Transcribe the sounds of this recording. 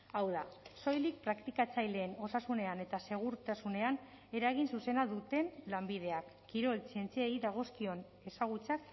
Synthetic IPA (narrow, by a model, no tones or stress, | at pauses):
awðaso̞jlik̚pɾakt̪ikat͡sajle̞ːno̞sasune̞ane̞t̪ase̞ɣ̞uɾt̪asune̞an | e̞ɾaɣinsuse̞naðut̪e̞nlambiðe̞akːiɾo̞lt͡sie̞nt͡siejðaɣ̞o̞skio̞n | e̞saɣ̞ut͡sak